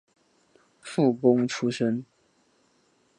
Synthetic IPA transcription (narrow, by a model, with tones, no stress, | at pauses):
fu˥˩kʊ˥ŋʈ͡ʂʰu˥ʂə˦n